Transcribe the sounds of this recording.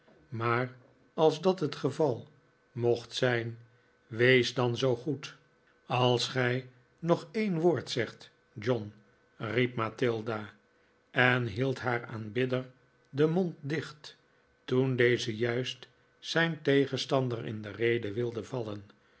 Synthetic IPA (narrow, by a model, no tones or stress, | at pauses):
maːr | ɑlˠzdɑtɦətχəvɑlˠ | moχtsɛjn | ʋejzdɑnzowχut | ɑlˠsχɛj | nɔχejnʋoːɹtsɛχt | d͡ʒɔn | rip̚matɪlˠda | ɛnɦilˠtɦaːɹa̰ːnbɪdəɹ | dəmontdɪχt | tundejzəjœɥst | sɛjntejχənstɑndərɪ̰ndərejdəʋɪlˠdəvɑlən